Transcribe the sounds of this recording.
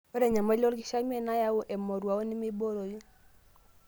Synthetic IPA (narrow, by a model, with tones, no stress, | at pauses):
o˦ɾe˨ɲa˨ma˦lɔ˦lɡɪ˦ʃa˦m˦e˦˨na˦ja˦wo˦ʔɛ˨mɔ˨ɾwa˨o˦ni˦mi˦bo˦ɾo˨ji˦